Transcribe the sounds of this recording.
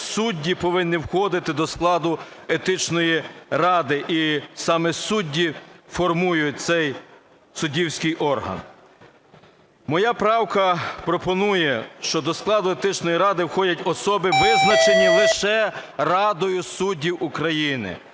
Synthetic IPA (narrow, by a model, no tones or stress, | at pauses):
sudʲːipɔʋɪnːiwxɔd̪ɪt̪ɪd̪ɔsklˠɑd̪ʊ | et̪ɪt͡ʃnɔjirɑd̪ɪʔisɑmɛsudʲːifɔrmujʊt̚ʲt̪sɛj | sʊdʲiwsʲkɪjʔɔrɦɐ̰n | mɔjɑpɾɑwkɐpɾɔpɔnujɛʃt͡ʃɔd̪ɔsklˠɑd̪ʊet̪ɪt͡ʃnɔjiɾɑd̪ɪwxɔdʲɐtʲɔsɔbɪʋɪznɐt͡ʃenʲilˠɪʃɛrɑd̪ɔjʊsudʲːiwukɾɐjinɪ̰